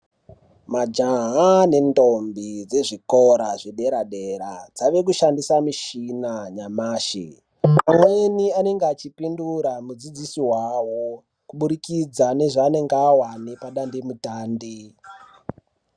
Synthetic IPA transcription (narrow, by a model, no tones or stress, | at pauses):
mad͡ʒaɦane̞ndombid͡ze̞ʐikoɾaʐeɗe̞ɾaɗeɾa̰d͡zaʋe̞k̬uʃandisamiʃinaɲamaːʃḭ | amweniane̞ŋɡeat͡ʃipinduɾamud͡zid͡zisiwawo̞ | kuɓuɾikid͡zane̞ʐaːne̞ŋɡeawanepaɗandemutaːndi